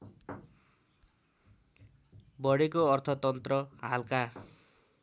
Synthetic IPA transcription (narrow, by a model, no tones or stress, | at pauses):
bʌɽekoʌrt̪ʰʌt̪ʌnt̪rʌɦalka